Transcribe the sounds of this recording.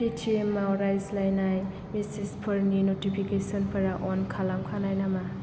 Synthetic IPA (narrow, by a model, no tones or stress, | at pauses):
pitʰemːawɾajzlajnaj | misispʰɔɾninotipʰikesɔnpʰɐɾaʔɔnkʰalamkʰanajnama